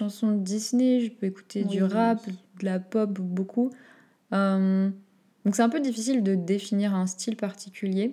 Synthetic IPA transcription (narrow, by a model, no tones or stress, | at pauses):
ʃɑ̃sɔ̃əd̪isneʒəpøeku̥t̪ed̪yʁapd̪əlapɔpbokʰu | øm | d̪̥ɔ̃ksɛt̪ɛ̃pød̪ifisild̪əd̪efiniʁɛ̃st̪ʰilpaʁt̪ikʲylje